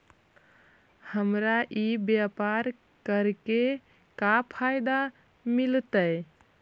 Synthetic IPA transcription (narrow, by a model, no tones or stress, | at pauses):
həmɾaʔibjapaɾ | kəɾke | kapʰajd̪a | milt̪əj